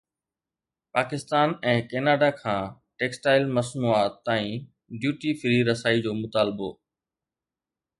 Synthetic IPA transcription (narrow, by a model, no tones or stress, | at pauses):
paːkɪst̪aːnɛ̃ːkeːnaːɖaːkʰãː | ʈeːksʈaːɪlməsmuaːt̪ːaːĩː | ɖjuːʈiːfɾiːɾəsaːid͡ʑoːmʊt̪aːlbo̰ː